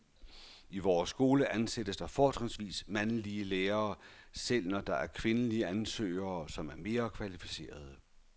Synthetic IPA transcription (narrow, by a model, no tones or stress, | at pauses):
iʋɒːsːɡ̥o̝ːləʔænsed̥əsd̥ɑ̈fɒːt͡sʰʁɑsʋḭːsmænliəleːɐːsel̰nɒd̥ɑ̈ʔæɐkʰʋe̝nəliəænsø̰ːɐːsɒ̽mæɐme̝ːɐkʰʋælifise̝̰ːɐð̞ˠə